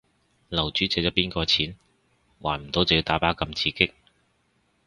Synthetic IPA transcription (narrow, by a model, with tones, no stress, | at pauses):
lɐ˨˩wt͡ʃyː˨˥t͡sɛː˧˥t͡ɕɔː˨˥piː˥nkɔː˧t͡sʰiː˨˥n | waː˨˩nm̩˨˩t̪o˨˥wt͡sji˧t̪aː˨˥paː˨˥kɐ˧mt͡sʰiː˧kɪ˥k̚